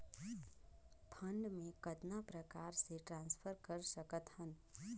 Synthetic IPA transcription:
pʰəɳɖmẽkəd̪napɾəkaɾseʈɾãnspʰəɾkəɾsəkət̪hən

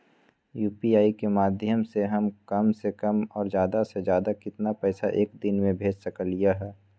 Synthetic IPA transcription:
juːpiaːikemaːd̪ʱjəmseɦɐmkɐmsekɐmɔːɾzjaːd̪ased͡ʒjaːd̪akɪt̪napɛːsaʔeːkd̪ɪnmẽbʱeːd͡ʒsɐkəlijaɦɛː

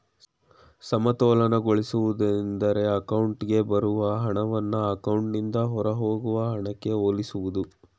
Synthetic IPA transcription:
sɐmɐt̪ɔːlɐnɐɡoɭisuʋud̪ɐnd̪ɐɾe̞ɐkɐwuɳʈɡe̞bɐɾuʋɐɦɐɳɐʋɐnːɐɐkɐwɳʈnind̪ɐɦɔɾɐɦoːɡuʋɐɦɐɳɐkːe̞oːlisuʋud̪u

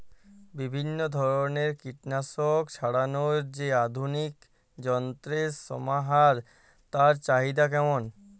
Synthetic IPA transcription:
bibʱinːod̪ʱɔɾoneɾkiʈnasokt͡ɕʰaɽanoɾd͡ʑead̪ʱunik | d͡ʑɔnt̪ɾesɔ̰maɦaɾ | t̪aɾt͡ɕaɦid̪akɛmon

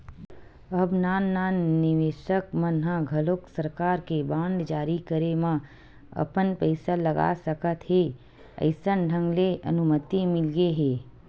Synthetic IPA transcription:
əbnaːnːaːnːɪʋeːʃəkmənɦãɡʱɐloːksəɾkaːɾkebãːɳɖ̪d͡ʒaːɾikəɾemã | ɐ̰pənpəɪsalɐɡa̰səkət̪ɦeː | ə̰ɪsənɖʱə̃ŋɡleʔɐ̰nʊmət̪imɪlɡeɦɛː

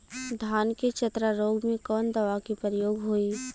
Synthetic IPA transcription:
d̪ʱaːnket͡ʃɐt̪ɾaɾoːɡmẽkɔːnd̪ɐʋakipəɾəjoːɡɦoiː

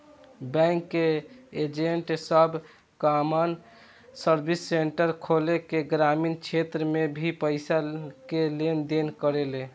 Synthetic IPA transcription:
bɛ̃ŋkːeed͡ʒeɳʈsəbʱ | kamən | səɾbʱisːeɳʈəɾkʰolekeɡɾamint͡ʃʰet̪ɾəmebʱipəɪsakelend̪enkəɾelẽ

